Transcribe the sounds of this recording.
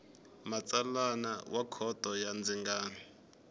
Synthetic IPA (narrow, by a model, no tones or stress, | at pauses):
mat͡sʼalanawakʰɔd̥ʱɔjand͡ziŋɡaːni